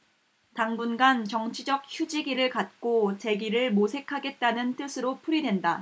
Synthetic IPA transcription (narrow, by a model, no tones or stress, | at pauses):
taŋbunɡant͡ɕʌŋt͡ɕʰid͡ʑʌk̚çjud͡ʑiɡiɾɯɭkat̚k͈ot͡ɕe̞ɡiɾɯɭmosʰe̞kʰaɡe̞t̚t͈anɯnt͈ɯsʰɯɾopʰuɾidwe̞nda